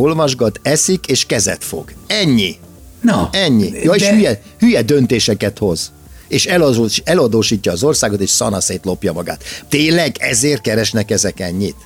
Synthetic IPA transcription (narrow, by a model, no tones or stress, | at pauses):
o̞lvɒʒɡɒt̪ɛsikeːʃkɛzɛ̰t̪fo̞̰ɡɛɲːi | nɛɲːijɒeːʃhyjɛ | hyjɛd̪ø̞nt̪eːʃɛkɛt̪ho̞z | eːʃɛlɛlɒd̪oːʃiːcːɒːzo̞rsaːɡo̞t̪eːʃsɒnɒseːt̪lo̞pjɒmɒɡa̰ːt̪t̪ːeːlːɛɡɛzeːrt̪̚kɛɾɛʃnɛkɛzɛkɛɲːit̪